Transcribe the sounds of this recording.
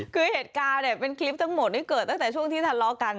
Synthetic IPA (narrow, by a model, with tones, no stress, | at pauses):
kɨ˧˦he˨˩t̚kaː˧ɗe˨˩ɓe˧nkli˦˥p̚t̪ə˧˦ŋmo˨˩t̚ne˨˦kɨ˨˩t̪ə˦˥aː˧˩t͡ɕu˧˥əŋt̪i˧t̪ʰa˨˩nlɔ˧ka˨˩ŋ